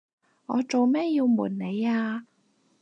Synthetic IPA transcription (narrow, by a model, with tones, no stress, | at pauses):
ŋɔ̰ː˨˧t͡ʃo˨wmɛː˥jiː˧wmuː˨˩nne˨˧jaː˧